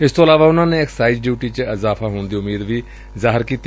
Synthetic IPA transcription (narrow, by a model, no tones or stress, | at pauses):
ɪst̪oːəlaːʋaːʊnãːnẽːɪksaːɪd͡ʒɖjuːʈiːt͡ʃəɪzaːfʰaːɦoːɳd̪iːʊmiːd̪ʋiː | zaːɦɪɾkiːt̪